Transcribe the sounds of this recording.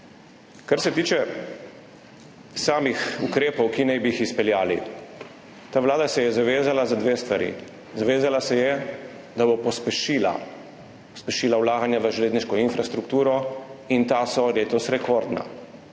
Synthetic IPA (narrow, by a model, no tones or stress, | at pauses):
kaɾsɛt̪iːt͡ʃɛ | saːmixukɾeːpɔwkinɛjbiixispɛljaːli | t̪aːʋlaːd̪asɛjɛzaʋeːzalazad̪ʋeːst̪ʋaɾḭ | zaʋeːzalasɛjɛ | d̪abɔpɔspɛʃila̰ | pɔspɛʃiːlawlaːɡanjaʋəʒleːd̪niʃkɔinfɾast̪ɾukt̪uːɾɔint̪asɔleːt̪ɔsɾɛkɔɾd̪na̰